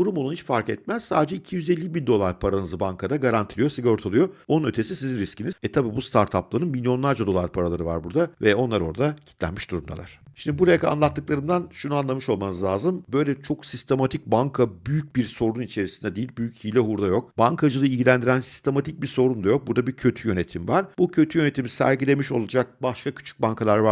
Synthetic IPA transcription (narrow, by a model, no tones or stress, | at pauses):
d̪uɾumounit͡ʃfaɾkɛt̪̚mæz̥saːd̪ed͡ʒɛicʰijyzelʲːibind̪o̞lˠaɾpʰaɾanɯzɯbaŋkʰad̪aɡaɾant̪ʰilʲijo̞siɡaɾot̪ʰalˠɯjo̞onunø̞t̪ʰe̞sisizinɾiscʰinizɛt̪ʰabiːbust̪ʰaɾt̪ʰaplˠaɾɯnmilʲjo̞nlˠaɾd͡ʒad̪o̞lˠaɾpʰaɾalˠaɾɯva̰ɾbuɾd̪avɛo̞nlˠaɾoɾd̪acʰi̥t̪lʲæ̰nmiʃd̪uɾumd̪a̰lˠa̰ɾ̥ʃimnd̪ibuɾajakʰaa̰nlˠat̪ːɯklˠaɾɯnd̪anʃunuanlˠamɯʃo̞lˠmanɯzlʲaːzɯmbø̞jlʲɛt͡ʃʰo̞ksist̪ʰe̞mat̪ʰic̚baŋkʰabyjyc̚biɾso̞ɾunit͡ʃʰe̞ɾisind̪ɛd̪ijilʲbyjychijlʲɛɦuɾd̪ajo̞k̚baŋkʰad͡ʒɯlˠɯilʲɟilʲænd̪iɾænsi̥st̪ʰe̞mat̪ʰic̚biso̞ɾund̪ajo̞k̚buɾd̪abicʰø̞t̪ʰyjø̞ne̞t̪ʰimvaɾbucʰø̞t̪ʰyjø̞ne̞t̪ʰimisæ̰ɾɟilʲe̞miʃo̞lˠad͡ʒak̚baʃkʰacʰy̥t͡ʃʰy̥c̚banŋkʰalˠaɾva